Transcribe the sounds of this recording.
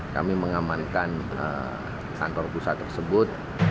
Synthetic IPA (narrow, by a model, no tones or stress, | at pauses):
ka̰miməŋamankanə̰ | ka̰nt̪ɔrpusat̪ːərsəbʊt̪̚